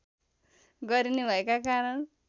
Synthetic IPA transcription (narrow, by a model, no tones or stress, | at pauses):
ɡʌɾinebʱʌekakaɾʌn